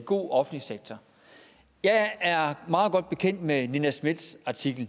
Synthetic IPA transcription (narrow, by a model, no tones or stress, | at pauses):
ɡ̥o̝̰ːɒ̽fn̩liseɡ̥̚t͡sʰɒ | jɑ̈ɪæɐmɑ̈ːð̞̩ˠɡ̥ɒ̽d̥̚b̥e̝kʰen̰d̥meninæsmid̥sɑ̈t͡sʰiɡ̥l̩